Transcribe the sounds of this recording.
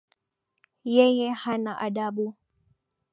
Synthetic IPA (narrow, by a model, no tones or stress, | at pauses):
jɛjɛhanaʔaɗaɓu